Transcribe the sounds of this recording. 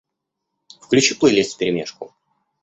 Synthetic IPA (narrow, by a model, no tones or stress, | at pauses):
fklʲʉt͡ɕiplˠɨjlʲesʲt̪ʲfʲpʲɪɾʲɪmʲeʂkʊ